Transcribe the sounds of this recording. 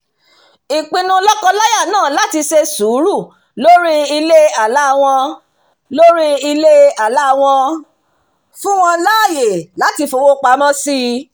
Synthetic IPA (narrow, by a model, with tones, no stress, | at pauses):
i˨k͡pĩ˧nũ˧˦lɔ˦kɔ̃˧la˦ja˦˨nãː˦˨la˦ti˧ʃe˧su˨˦ɾu˦˨ | lo˦ɾi˦i˧le˦a˦˨la˦˧w̃ɔ̃˧ | lo˦ɾi˦i˧le˦a˨la˦˧w̃ɔ̃˧ | fũ˦w̃ɔ̃˧la˦˨je˨la˨˦ti˧fo˧wo˦k͡pa˨˦mɔ̃˦si˦